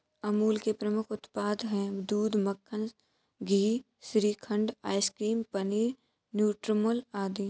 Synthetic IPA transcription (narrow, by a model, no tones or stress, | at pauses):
ɐmuːlkepɾɐmʊkʰʊt̪paːd̪ɦɛ̃ːd̪uːd̪məkʰːən | ɡʱiː | sɾiːkʰə̃ɳɖaːɪskɾiːmpəniːɾ | njuːʈɾmʊlaːd̪i